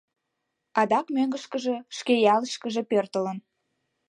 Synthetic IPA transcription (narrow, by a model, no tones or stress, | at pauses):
ɑd̪ɑkmøŋɡəʃkəʒĕʃkejɑləʃkəʒe̽pørt̪ələn